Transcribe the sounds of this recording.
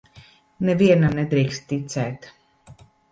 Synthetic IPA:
nɛviɛnanɛd̪ɾiːkst̪t̪ːit̪sɛːt̪

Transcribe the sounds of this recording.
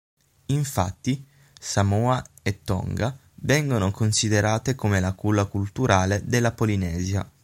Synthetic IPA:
iɱfa̰t̪ːi | samɔːa | et̪ːɔ̰ŋɡa | vɛŋɡonokonsid̪eɾaːt̪ekomelakulːakult̪uɾaːled̪elːapolinɛːzja̰

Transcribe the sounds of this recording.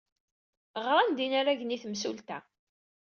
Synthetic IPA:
ʁɾˤand̪inaɾaʝniθmsult̪æ

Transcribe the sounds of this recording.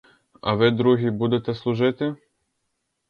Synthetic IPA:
ɐ̰ʋɪd̪ɾuɦʲibud̪ɛt̪ɛslˠʊʒɪt̪ɪ

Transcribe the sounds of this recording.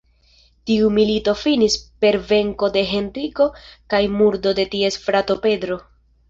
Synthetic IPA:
tiumilito̞finispe̞ɾve̞ŋko̞de̞ɦe̞nriko̞kajmuɾdo̞de̞tie̞sfɾato̞pe̞dɾo̞

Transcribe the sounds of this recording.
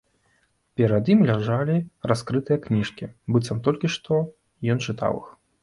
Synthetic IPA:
pʲɛɾɐd̪jimlʲaʐalʲiraskɾɨt̪ɨjɐknʲiʂkʲḭbɨt̪sɐmt̪ɔlʲkʲiʂt̪ɔ | jɔnt͡ʂɨt̪a̰wɨ̰x

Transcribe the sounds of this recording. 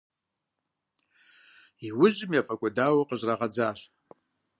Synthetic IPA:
iwʊʑɪmjafʼɐkʷʼʊdaːwɐqəʑraʁɐd͡zaːɕ

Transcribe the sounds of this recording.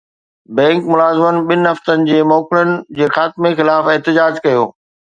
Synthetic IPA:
bɛ̃ːŋkmʊlaːzɪmənɪ̆ɓɪnɪɦɐft̪ənɪ̆d͡ʑeːmɔːkɪɽənɪ̆d͡ʑeːxaːt̪ɪmexɪlaːfɪɦt̪ɪd͡ʑaːd͡ʑkɐjoː

